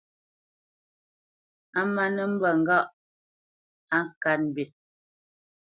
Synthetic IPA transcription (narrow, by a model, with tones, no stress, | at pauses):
a˦ma˦nə˦m̩˦bə˨ŋ̩˦ɡa˦ʔ | a˦ŋ˨ka˦nm̩˨bi˨t̚